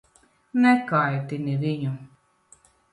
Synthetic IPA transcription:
nɛkajt̪iniviɲu

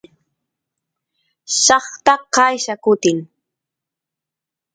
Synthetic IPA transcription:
ʃɑχt̪aqɑjʃakʊt̪ɪŋ

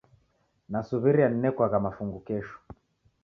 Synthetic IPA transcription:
nasuβiɾianinɛkwaɣamafuŋɡukɛʃu̥

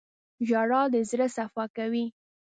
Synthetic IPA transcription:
ʒɑɽɑd̪əzɾəsafɑkawi

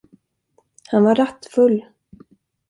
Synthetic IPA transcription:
hanvaɾat̪ːfɵlː

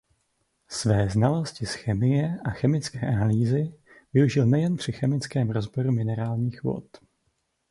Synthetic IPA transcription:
svɛːznalo̞scɪsxɛmɪjɛʔaxɛmɪt͡skɛːʔanaliːzɪ | vɪuʒɪlnɛjɛnpr̝̥ɪxɛmɪt͡skɛːmɾo̞zboɾumɪnɛɾaːlɲiːxvo̞̰t̪

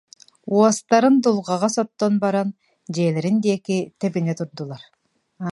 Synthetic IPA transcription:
uast̪ɑɾɯnd̪ulˠʁɑʁɑsot̪ːonbɑɾɑn | d͡ʒeːleɾind̪eːkit̪epinet̪uɾd̪ulˠɑɾ

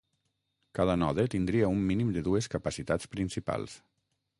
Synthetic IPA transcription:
kaðanɔðet̪ind̪ɾiəumːinimd̪əðueskapasit̪at͡spɾinsipa̰lˠs

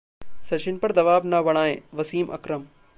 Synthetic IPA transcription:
sɐt͡ʃɪnpɐɾd̪ɐʋaːbnabɐɽ̃aːḛ̃ːʋɐsiːmʔɐ̰kɾəm

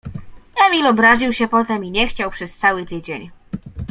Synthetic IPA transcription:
ɛmʲilɔbɾaʑiwɕɛpɔt̪ɛmiɲɛxt͡ɕawpʂɛst̪sawɘt̪ɘd͡ʑeɲ

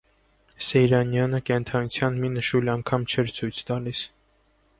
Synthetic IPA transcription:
sɛjɾɑnjɑnəkɛnt̪ʰɑnut͡sʰjɑnminəʃulɑŋkʰɑmt͡ʃʰɛɾt͡sʰujt͡sʰt̪ɑlis

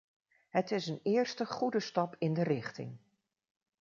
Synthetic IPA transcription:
ɦətɪsənɪːɹstəχudəstɑpɪndərɪχtɪ̰ŋ

